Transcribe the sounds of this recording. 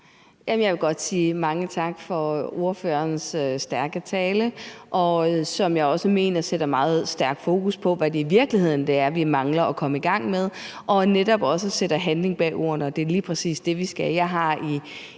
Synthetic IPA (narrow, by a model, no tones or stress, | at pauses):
jæmjɑ̈ɪʋe̝ɡ̥ɒ̽d̥siːmɑ̈ŋət͡sʰɑ̈ɡ̥fɒ̽o̝ɐfø̰ːɐnsøsd̥æɐɡ̥ət͡sʰɛːləʔɒ̽sɒ̽mjɑ̈ɪɒ̽səme̝̰ːnɐseɾ̥ɐmɑ̈ːð̩ˠsd̥æɐɡ̥fo̝ːkʰuspʰɒ̽ʋæd̥e̝iʋiɐɡ̥lihe̝ð̰ˠn̩d̥e̝æɐʋimɑ̈ŋlɐɒkʰɒ̽məiɡ̥ɑ̈ŋ̰með̞ˠʔɒ̽ned̥ɒ̽b̥ɒ̽səsed̥ɐɦænle̝ŋb̥ɛ̰ːo̝̰ːɐnɒ̽d̥e̝liːpʰʁɛsḭːsd̥e̝ʋisɡ̥æjɑ̈ɪɦɑ̈i